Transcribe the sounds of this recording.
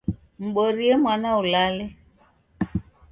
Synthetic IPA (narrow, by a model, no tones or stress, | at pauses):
m̩ɓoɾiemwanaulalɪ